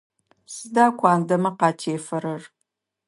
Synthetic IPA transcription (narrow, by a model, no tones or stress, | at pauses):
sɨdaːkʷʰɑːndɐmɐqɑːtʰeːfɐɾɐr